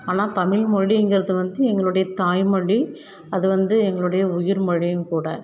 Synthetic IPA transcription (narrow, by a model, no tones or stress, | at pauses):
aːnaːt̪ɐmɪɭmɔɻiɛŋɡɪɾɐðɯʋɐnd̪ɯɛŋɡɐɭɯɽɐjɐt̪aːjmɐɭi | ɐðɯʋɐnd̪ɯɛŋɡɐɭɯɽɐjɐʊjɪɾmɐɻɪjʊ̃mkuːɽɐ